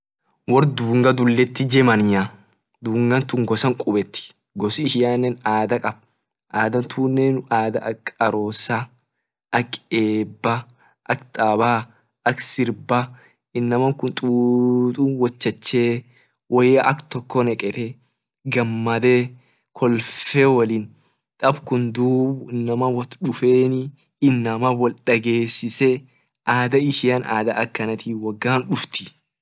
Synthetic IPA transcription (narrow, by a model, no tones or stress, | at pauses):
wɔɾd̪uːŋɡɐd̪ʊlːɛt̪ːɪd͡ʒɛmɐnja | d̪uːŋɡɐnt̪ʊŋɡɔsɐŋkʼʊbɛt̪ːɪ̥ | ɡɔsɪɪʃɪjaːnːɛnaːd̪ɐkʼɐb̥̚ | ʔaːd̪ɐnt̪ʰuːnːenaːd̪ɐʔɐkʼɐɾoːsa | ʔɐkːeːbːɐ | ʔɐkt̪ʼaːbaː | ʔɐksɪɾbɐ | ɪnːɐmɐŋkʊnt̪ʼuːt̪ʼuwɐt͡ʃːɐt͡ʃːe̞ː | wʔɔjɐʔɐkt̪ɔkːɔnɛkʼɛt̪ɛ | ɡɐmːɐd̪eː | kʰɔlfeːwɐliːn | t̪ʼɐbkʊnd̪uːbʊnːɐmɐwɐt̪ᶑʊfe̞ːnɪ | ɪnːɐmɐwɔlᶑɐɡe̞ːsːɪsɛ | ʔaːd̪ɐɪʃɪjɐnʔa̰ːd̪ɐʔɐkːɐnɐt̪ʰiːwɐɡːaːnᶑʊft̪ɪ̥